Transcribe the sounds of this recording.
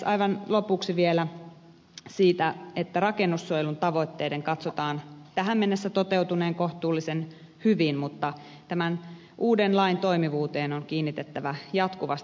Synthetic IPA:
ɑ̰iʋɑnlopuksiʋielæ | siːt̪æet̪ːærɑkenːusːuojelunt̪ɑʋo̞t̪ːeːdeŋkɑt̪sot̪ɑːnt̪æɦæmmenːesːæt̪ot̪eut̪uneːŋkoht̪uːlːisen | hyʋinmut̪ːɑ | t̪æmæn | ʔuːdenlɑint̪o̞imiʋuːt̪eːnoŋkiːnːit̪et̪ːæʋæjɑt̪kuʋɑst̪

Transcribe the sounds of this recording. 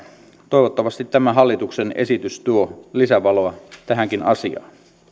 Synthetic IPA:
t̪o̞ˑjʋot̪ːɑʋɑst̪it̪ːæmæɦɑlːit̪uksenḛsit̪yst̪uolisæʋɑloɑt̪æɦæŋkinɑ̰siɑ̰ːn

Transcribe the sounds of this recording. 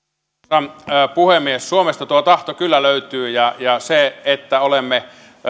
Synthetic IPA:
ɑnːpuhemːiessuomest̪ɑt̪uot̪ɑht̪okylːæløyt̪yːjɑjɑseet̪ːæolemːe

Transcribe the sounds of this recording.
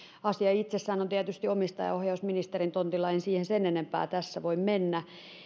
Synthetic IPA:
ɑsiɑit̪sesːæːnont̪iæt̪yst̪iomist̪ɑ̰jɑ̰ohjɑusminist̪erint̪ont̪ilɑinsiːhensenenempæ̰ːt̪æsːæʋoimmenːæ

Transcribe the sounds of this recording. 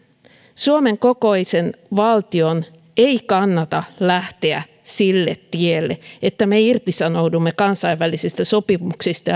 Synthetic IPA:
suomeŋkokoisenʋɑlt̪ion | eikɑnːɑt̪ɑlæht̪eæ | silːet̪tielːeet̪ːæmeirt̪isɑnoudumːekɑnsɑiʋːælisist̪æso̞pimuksist̪ɑ

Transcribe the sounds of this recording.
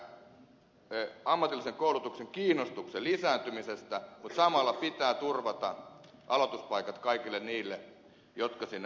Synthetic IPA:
ɑmːɑt̪ilːˑiseŋkoulut̪ukseŋkiːnːost̪ukselisæːnt̪ymisest̪æmut̪sɑmɑlːˑɑpit̪æːt̪urʋɑt̪ɑʔɑlot̪uspɑikɑt̪kɑikilːenniːlːe | jot̪kɑsinː

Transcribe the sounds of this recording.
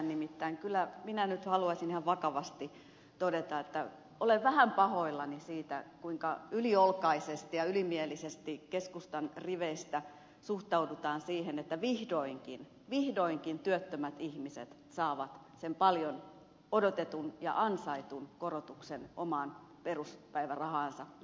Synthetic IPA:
nnimit̪ːæiŋkylːˑæminænyt̪hɑluɑsinihɑʋʋɑkɑʋɑst̪i | t̪odet̪ɑet̪ːæ | oleʋʋæhæmpɑhoilːɑnisiːt̪ækuiŋkɑyliolkɑisest̪ijɑylimielisest̪ikeskust̪ɑnriʋeist̪æ | suht̪ɑudut̪ɑːnsiːhenet̪ːæʋihdoiŋkin | ʋihdoiŋkint̪yøt̪ːømæt̪ihmisḛt̪ | sɑːʋɑt̪ | sempɑljon | odot̪et̪unjɑ̰ʔɑnsɑit̪unkorot̪uksenomɑn | peruspæiʋærɑhɑːnsɑ

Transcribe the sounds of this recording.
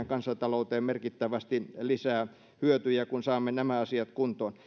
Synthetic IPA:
æŋkɑnsːɑt̪ɑlout̪eːmmerkit̪ːæʋæst̪ilisæː | hyøt̪yjækunsɑːmːenæmæɑsiɑt̪kunt̪oːn

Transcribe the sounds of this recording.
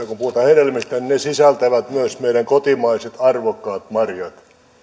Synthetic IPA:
ɑkupuot̪ɑheɾelmist̪æninesisælt̪æʋæt̪myæsmeiɾæŋkot̪imɑiset̪ɑrʋokːɑːt̪mɑrjɑt̪

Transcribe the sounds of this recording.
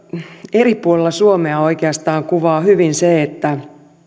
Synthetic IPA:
eripuolelːɑsuomeɑoikeɑst̪ɑːŋkuʋɑːhyʋinseet̪ːæ

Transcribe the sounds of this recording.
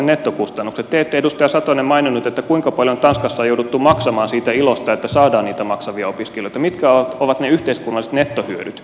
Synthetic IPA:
nnet̪ːokust̪ɑnːukset̪t̪eet̪ːeedust̪ɑjɑsɑt̪onemmɑininːut̪et̪ːækuiŋkɑpɑljont̪ɑnskɑsːɑːjoudut̪ːumɑksɑmɑːnsiːt̪æilost̪ɑet̪ːæsɑːdɑːniːt̪æmɑksɑʋiɑopiskeloit̪ɑmit̪kæoʋɑt̪neyht̪eiskunːˑɑlise̥t̪net̪ːohyøɾyt̪

